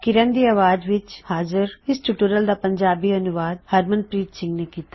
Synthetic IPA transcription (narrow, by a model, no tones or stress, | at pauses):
kɪɾənd̪iːaːʋaːd͡ʒʋɪt͡ʃhaːzəɾɪsʈuʈuːɾəld̪aːpəɲd͡ʒaːbiːənʊʋaːd̪̚həɾmənpɾiːtsɪ̃ŋɡneːkiːt̪a